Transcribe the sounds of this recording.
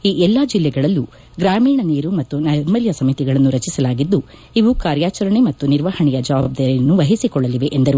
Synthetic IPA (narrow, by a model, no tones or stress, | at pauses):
iːʔɛlːad͡ʒilːɛɡɐɭɐlːu | ɡɾaːmiːɳɐniːɾumɐt̪ːunɐjɾmɐljɐsɐmit̪iɡɐɭɐnːuɾɐt͡ʃisɐlaːɡid̪ːu | iʋukaːɾjaːt͡ʃɐɾɐɳe̞mɐt̪ːuniɾʋahɐɳɛjɐd͡ʒɐʋaːb̚d̪aːɾijɐnːuʋɐɦisikɔɭːɐliʋe̞ʔend̪ɐɾu